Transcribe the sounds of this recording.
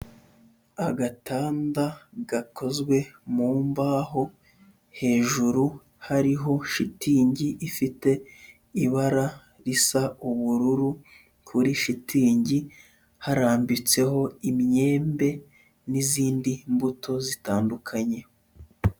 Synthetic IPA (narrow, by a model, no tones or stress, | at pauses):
aɡatʰaːndaɡakʰo̞zɡwe̞muːmbaːɦo̞ | he̞ːʒuɾu | haɾiɦo̞ʃitʰiːɲɟiʔifite̞ | iβaɾa | ɾisauβuɾuɾu | kʰuɾiʃitʰiːɲɟi | haɾaːmbit͡se̞ho̞imɲe̞ːmbe̞ | niziːndimbutʰo̞zitaːndukʰaɲe̞